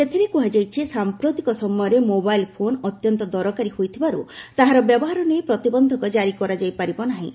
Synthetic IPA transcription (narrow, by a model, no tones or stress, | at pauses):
set̪ʰiɾekuɦad͡ʒajt͡ʃʰisampɾot̪ikɔsɔmɔjɔɾemobailpʰonɔt̪jɔnt̪ɔd̪ɔɾɔkaɾihojt̪ʰibaɾut̪aɦaɾɔbjɔbɔɦaɾɔnejpɾɔt̪ibɔnd̪ʱɔkɔd͡ʒaɾikɔɾad͡ʒajpaɾibɔnaɦĩ